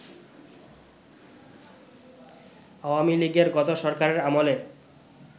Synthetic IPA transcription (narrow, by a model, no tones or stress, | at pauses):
aoamiliɡeɾɡɔt̪oʃɔɾkaɾeɾamole